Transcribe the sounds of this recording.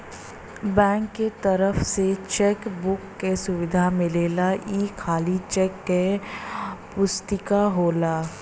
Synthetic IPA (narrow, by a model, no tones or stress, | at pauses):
bɛ̃ːŋkːet̪əɾəfset͡ʃekbʊkːesʊʋɪd̪ʱamɪleːlaiːkʰaːlit͡ʃɛkːe | pʊst̪ɪkaɦoːlaː